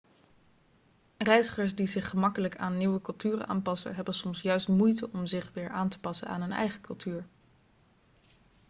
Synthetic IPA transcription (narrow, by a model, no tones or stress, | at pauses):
rɛjzəχəɹsdizɪχːəmɑkələkaːnːiwəkɵlˠtyːrəʔa̰ːnpɑsə̰ɦɛbənsɔmsjœɥstmujtəɔmzɪχʋɪːɹaːntə̥pɑsənaːnɦɵnɛ̰jχəkɵlˠtʰyːɹ